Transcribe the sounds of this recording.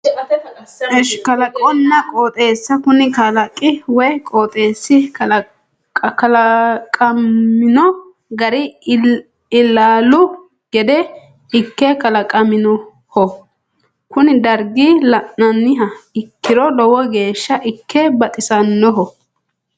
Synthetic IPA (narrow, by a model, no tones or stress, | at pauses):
kɐlɐkʼɔnːɐkʼoːt̪ʼe̞ːsːɐkʊnɪkɐlɐkʼːɪwɔjkʼoːt̪ʼe̞ːsːɪ | kɐlɐkʼɐmːɪnɔ | ɡɐɾɪ | ɪlːaːlʊ | ɡ̥ɛd̪ɛ | ɪkːɛkɐlɐkʼɐmɪnɔ | hɔ | kʊnɪd̪ɐɾɡilɐʔnɐnːɪɦɐɪkːɪɾɔlɔwɔɡe̞ːʃːɐʔɪkʰːɛbɐt̪ʼɪsɐnːɔɦɔ